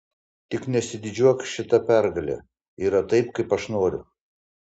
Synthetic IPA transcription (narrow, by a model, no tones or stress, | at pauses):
t̪ʲɪknʲɛsʲɪd̪ʲɪd͡ʒʲuɔkʃʲɪt̪ɐpʲæɾɡɐlʲɛ̰ | iːɾɐt̪ɐɪpkɐɪpɐʃnoːɾʲʊ̰